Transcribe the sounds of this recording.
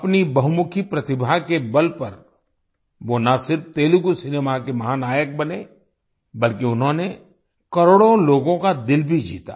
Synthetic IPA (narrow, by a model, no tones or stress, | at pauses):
ɐpnibɐɦʊmʊkʰipɾɐt̪ɪbʱakebɐlpɐɾ | ʋonasɪɾfʰt̪eːlʊkusɪneːmakemɐɦaːnaːjək̚bɐne | bɐlkiʊnɦõːne | kɐɾoːɽõloːɡõkad̪ɪlbʱid͡ʒḭːt̪a̰ː